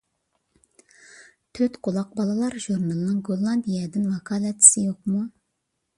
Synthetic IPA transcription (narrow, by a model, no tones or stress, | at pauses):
t̪ʰøt̪qʰolˠɑq̚bɑlˠɑlˠɑɾʒuɾnɑlˠnɨŋɡolˠːɑnd̪ijɛd̪ɪnvɑkʰɑlɛt͡ʃ̪ʰːɪ̥sɪjoq̚mu